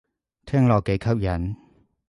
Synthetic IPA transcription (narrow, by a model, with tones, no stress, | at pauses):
t̪ʰɛː˥ŋlɔː˨kːe˨˥jkʰɐ˥p̚jɐ˨˦n